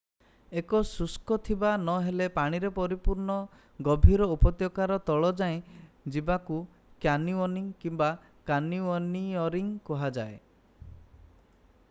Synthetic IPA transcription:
ekɔsuskɔt̪ʰibanɔɦelepaɽ̃iɾepɔɾipuɾɳɔ | ɡɔbʱiɾɔupɔt̪jɔkaɾɔt̪ɔɭɔd͡ʒaẽ | d͡ʒibaku | kjaniɔniŋkimba | kaniɔniɔɾiŋkɔɦad͡ʒae

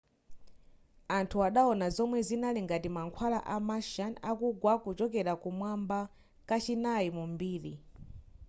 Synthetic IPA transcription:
antʰuaɗaɔnazɔmwɛzinaliŋɡatimaŋkʰwala̰ʔamaʃanakuɡwakut͡ʃɔkɛɾakumwamba | kat͡ʃinajimumbiːɾḭ

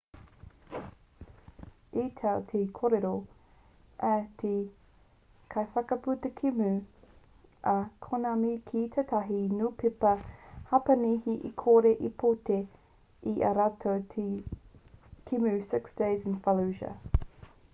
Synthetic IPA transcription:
iːtʰɐlt̪ʰekʰoɾeɾo | ʔɐtʰe | kʰɐjfɐkɐput̪əkʰimʉ | ʔɐkʰonamikʰit̪ʰɐtʰɐɦinuːpɪpɐhɐpɐnihiʔikʰoːɾeʔipʰote | iʔɐ̰ɾatʰotʰi | kʰimʉsɪksd̥eɪzɪnfɐluʒɐ̰

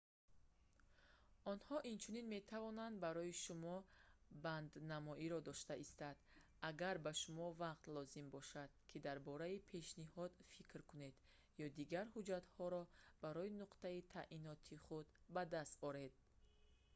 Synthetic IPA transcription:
ɔnhɔʔint͡ʃʰuninme̞t̪ʰavɔnand̪baɾɔiʃumɔband̪namɔiɾɔd̪ɔʃt̪aʔist̪ad̪̥ | aɡaɾbaʃumɔvaqt̪lɔzimbɔʃad̪̥̚kʰid̪aɾbɔɾaipʰe̞ʃnihɔd̪fikɾkune̞d̪ | jɔd̪iɡaɾhud͡ʒat̪hɔɾɔb̥aɾɔinuqt̪ait̪ʰa̰ʔʔinɔt̪ʰiχud̪bad̪ast̪ɔɾe̞d̪̥̚

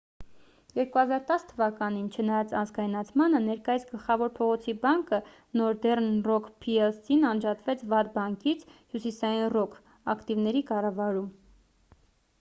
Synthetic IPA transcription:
jɛɾkuhɑzɑɾt̪ɑst̪ʰːəvɑkɑn̪int͡ʃʰənɑjɑt͡sɑnzɡɑjnɑt͡sʰmɑnənɛɾkɑjisʰɡəlχɑvɔɾpʰɔʁɔt͡sʰibɑŋkə | nɔɾd̪ɛrnrɔkʰpʰiɛlsinɑnd͡ʒɑt̪vɛt͡sʰvɑt̪̚bɑŋkit͡sʰhjusisɑjinrɔkʰ | ɑkt̪ivnɛɾikɑrɑvɑɾum

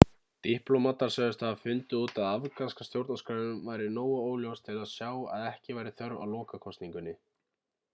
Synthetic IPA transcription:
t̪ihplowmat̪aɾ̥sœðʏst̪ʰafʏnt̪ʏuːt̪aðavkanskast̪jowɾt̪naskɾaɾɪnʏmvaːjɾɪnoːwaoːwljowst̪ʰɪlaðsjaːwa̰ðɛhcɪvaːjɾɪθœɾva̰wlɔːkakʰɔst̪niŋkʏnːɪ

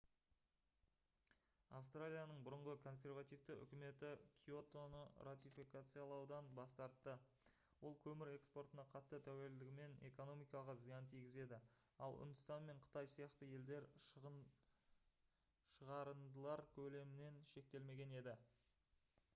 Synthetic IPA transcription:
afst̪ralʲijanəɴbʊɾəɴʁəkʰo̞ns̬ʲe̞rvat̪ijvt̪ɪʏ̰kʲɪme̞t̪ɪkʲʰio̞t̪o̞nərat̪ʲijfikat̪sɨjalˠɑwd̪ɑnbɑst̪ɑɾt̪ːə | wo̞lˠkʲʰɵmɪɾe̞kspo̞rt̪ənɑqʰɑt̪ːət̪ʰæwe̞ld̪ɪɡʲɪme̞ne̞̰ko̞no̞mijkɑlˠʁɑzijɑnt̪ʰijɡʲɪze̞d̪ɪɑlˠʊ̰nd̪əst̪ɑnme̞ɴqʰə̥t̪ɑjsijɑqt̪əje̞ld̪e̞ɾ | ʃəʁɑɾənd̪əlˠɑɾkʲʰɵle̞mɪne̞nʃe̞k̚t̪e̞lme̞ɡʲe̞ne̞d̪ɪ

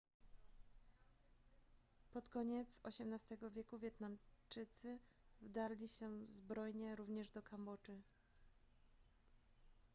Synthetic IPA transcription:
pɔt̪kɔɲɛt̪sɔɕɛmnast̪ɛɡɔvʲjɛkuvʲjɛt̪namt͡ʂɘt̪sɘvd̪aɾlʲiɕɛzbɾɔjɲɛɾuvɲɛʐd̪ɔkʰambɔt͡ʂɘ

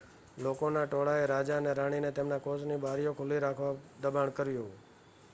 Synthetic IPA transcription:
lokonaʈoɽaeɾad͡ʒaneɾaɽ̃inet̪emnakosnibaɾijokʰʊliɾakʰʋad̪əbaɳkəɾjũ

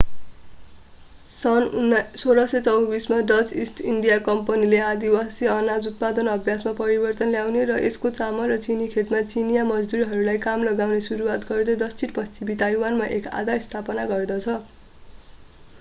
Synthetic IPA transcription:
sʌnsoɾʌsʌt͡sʌwbismaɖʌd͡zisʈiɳɖijakʌmpʌnileãd̪iwasiʌnad͡zut̪̚pad̪ʌnʌbʱjasmapʌɾibʌrt̪ʌnljawneɾʌʔeskot͡samʌlrʌt͡sinikʰet̪mat͡sinijamʌd͡zd̪uɾiɦʌɾulajkamlʌɡawnesuɾuwat̪ɡʌrd̪ʌɖʌst͡siʈpʌst͡simit̪ajwanmaʔeka̰d̪ʱast̪ʰapʌnaɡʌrd̪ʌt͡sʰʌ

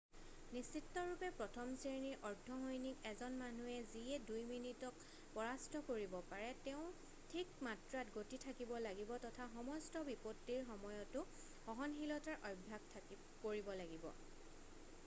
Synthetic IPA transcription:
nisitːɔɹupɛpɹɔtʰɔmseɹniʔɔɹdʱːɔɦɔjnikɛzɔnmanuɛziɛdujminitɔk | pɔɹastɔkoɹibɔpaɹɛtɛʊ̃ | tʰik̚matɹatɡotitʰakibɔlaɡibɔtɔtʰaxɔmɔstɔbipɔtːiɹxɔmɔjɔtʊ | xɔɦɔnxilɔtaɹʔɔbʱːaɡ̚tʰa | koɹibɔlaɡibɔ̰

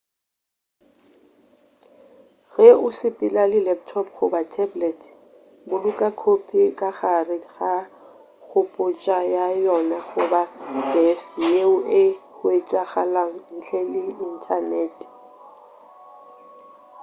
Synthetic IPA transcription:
ɣɛʊsɪpʼɪlalɪlɛp̚tʰɔpχʊbatʰɛblɛtʰ | bʊlʊkʼakʰopʰikʼaɣarɪɣa | ɣʊpʼʊt͡ʃʼajajɔnaɣʊbaɡ̥ɛsjeʊʔehʊet͡sʼaɣalaŋ̩n̩t͡ɬʰɛlɪɪn̩tʰanɛːt

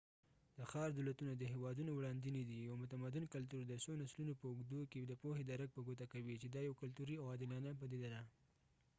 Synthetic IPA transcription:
d̪̥əxɑɾd̪alat̪unad̪əɦewɑd̪unowɽɑnd̪inid̪ijawmʊt̪amad̪ɪnkalt̪̬uɾd̪əsonaslunopəʊɡd̪oked̪əpohed̪aɾak̚pəɡot̪akawit͡ʃed̪ɑjawkalt̪uɾiawɑd̪ɪlɑnap̬ad̪ed̪ad̪a

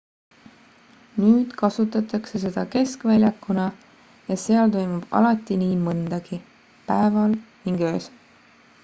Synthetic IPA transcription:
nyːd̪̥kɑsut̪ːˑɑt̪ˑɑkse̞s̬e̞d̪̥ɑke̞skvælʲjɑkːˑunɑ | jɑse̞ɑlt̪o̞jmub̥ɑ̰lɑt̪ːˑiniːmɤnd̪̥ɑɡ̥i | pæevɑlniŋɡ̥ø̞ːs

